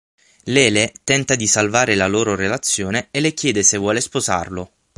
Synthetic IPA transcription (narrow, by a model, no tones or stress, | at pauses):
lɛːlet̪ɛnt̪ad̪isalvaːɾelaloːɾorelat̪sːjoːneelekjɛːd̪esevːwɔːlespoza̰rlo